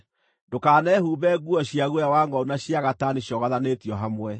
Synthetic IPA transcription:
dokaːnɛːhuːβɛɣuɔɕiaɣwawaŋɡɔunaɕjaɣataniɕjɔɣaðanetiɔɦamwɛ

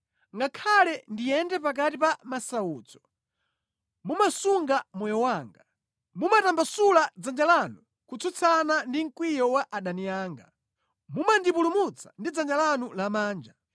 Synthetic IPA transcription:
ŋɡakʰalɛndijɛndɛpak̬atipamasauːt͡sɔ̥ | mumasuŋɡamɔjɔwaːŋɡa | mumatambasulad͡zand͡ʒalanu | kut͡sʰɔt͡sʰanandiŋ̩kwijɔwaʔaɗanijaːŋɡa | mumandipulumut͡sʰḁndid͡zand͡ʒalanulamaːnd͡ʒa

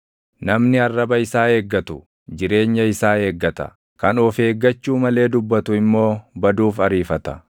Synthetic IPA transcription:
nɐmnɪɐrːɐbɐɪsaːe̞ːɡːɐt̪ʊ | d͡ʒɪɾe̞ːɲːɐɪsaːe̞ːɡːɐt̪ɐ̰ | kɐnɔfe̞ːɡːɐt͡ʃːuːmɐle̞ːd̪ʊbːɐt̪ʊɪmːo̞ːbɐd̪uːfɐɾiːfɐt̪ɐ̥

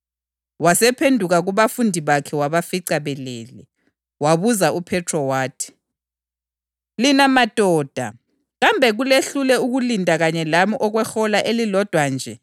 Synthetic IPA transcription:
wasɛpʰendʱuɣaɣuβafundʱiβakʰɛwaβafiǀaβɛleːlɛ | waβuzaupʰɛtʰrɔwaːtʰi̥ | linamad̥ʼʱɔːd̥ʱa | ɣambʱɛɣuleɬulɛuɣulindʼʱaɣaɲɛlamiʔɔɣwɛxɔlaʔelilɔd̥ʱwand͡ʒʱɛ

